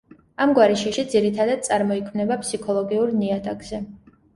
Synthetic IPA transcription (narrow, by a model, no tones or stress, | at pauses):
amɡwaɾɛʃiʃid̪ziɾit̪ʰad̪ad̪̥̚sʼaɾmɔikʰmnɛbapʰʼsikʰɔlˠɔɡiuɾniat̪ʰʼaɡz̥ɛ